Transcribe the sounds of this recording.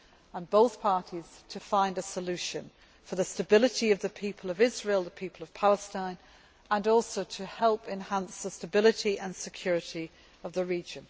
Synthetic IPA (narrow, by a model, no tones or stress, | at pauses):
ə̃nboʊθpʰɑɹɾiz̥tʰɨfãɪ̃ndəsəlʉʃɨ̃n | fə˞ðəstɨbɪlˠɨɾiʌvðɨpʰipʰəl̩ˠʌvɪzɹilˠðəpʰipʰəl̩ˠʌv̥pʰalˠəstãɪ̃n | ə̃nɔˑlˠsoʊɾʰɨhɛlˠpɨ̃nhæ̃nsðəstəbɪlˠɨɾiʔə̃nsɨkʰj̥ɔɹɨɾi | ʌvðəɹid͡ʒɨ̃n